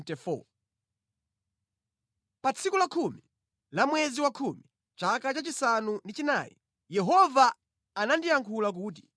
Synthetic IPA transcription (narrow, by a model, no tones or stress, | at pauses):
tɛfɔ̰ | pat͡sʰikulakʰumi | lamwɛziwakʰumi | t͡ʃakat͡ʃat͡ʃisanundit͡ʃina̰ːjḭ | jɛɦɔvaː | nandijaŋkʰulak̬uːt̬i̥